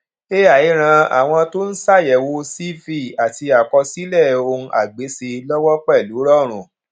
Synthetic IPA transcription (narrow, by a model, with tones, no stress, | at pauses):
e˦ja˦˨i˨˦ɾ̃ã˧a̰˨w̃ɔ̃˧to˦n̩˦sa˦˨jɛ˨wo˧si˦fi˦˨a˨ti˧a˨kɔ˧si˦lɛ˦˨õ˧ʔa˨ɡ͡be˨˦se˧lɔ˦wɔ˦k͡pɛ˦˨lu˨˦ɾɔ˦˨ɾ̃ũ˨